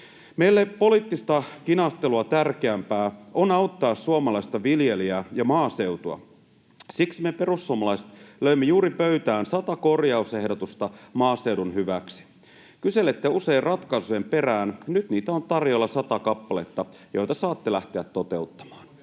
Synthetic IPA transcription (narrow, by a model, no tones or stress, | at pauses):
mejlːepo̞liːˑt̪ːist̪ɑkinɑst̪eluɑt̪ærkeæmpæːʔonɑut̪ːɑːssuomɑlɑist̪ɑʋiljeliæjɑmɑːse̞ut̪uɑ̰ | siksimepe̞rusːuomɑlɑise̥t̪løimːejuːɾipøyt̪æːnsɑt̪ɑkorjɑuse̞hdot̪ust̪ɑmɑːseudunhyʋæksi̥ | kyse̞let̪ːeuse̞irrɑt̪kɑsujempe̞ræːnnyt̪niːt̪æont̪ɑrjo̞lːɑsɑt̪ɑkɑpːɑle̞t̪ːɑjo̞̰jt̪ɑsɑːt̪ːelæht̪eæt̪tot̪e̞ut̪ːɑ̥mɑːn